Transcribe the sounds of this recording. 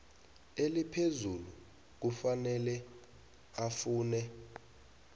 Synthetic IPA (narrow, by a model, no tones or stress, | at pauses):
elipʰezulu | k̬ufanɛlɛ | afuːnɛ